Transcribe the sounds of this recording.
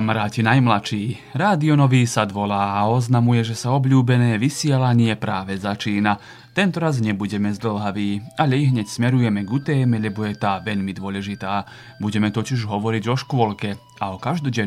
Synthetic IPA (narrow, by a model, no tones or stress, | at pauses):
amɾaːcinajmlat͡ʃiː | ɾaːd̪iɔnɔʋiːsad̪ʋɔlaːaɔznamujɛʒɛsaɔbʎuːbɛnɛːʋisɪɛlaɲɪɛpɾaːʋɛzat͡ʃiːna | t̪ɛnt̪ɔɾazɲɛbuɟɛmɛzd̪l̩ˠɦaʋiːaʎɛiɦɲɛcsmɛɾujɛmɛɡut̪ɛːmɛʎɛbɔjɛt̪aːʋɛʎmid̪ʊɔlɛʒit̪aː | buɟɛmɛt̪ɔciʒɦɔʋɔɾiɟɔʃkʊɔlkɛ | aɔkaʒd̪ɔɟɛ